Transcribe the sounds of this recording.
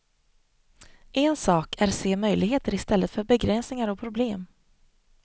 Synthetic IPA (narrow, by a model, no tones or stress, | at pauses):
ʔɛnsɑːkæɾseːmœjlɪɡɦeːt̪əɾɪst̪ɛlːət̪fœɾbɛɡɾɛnsnɪŋaɾɔpʰɾʊbleːm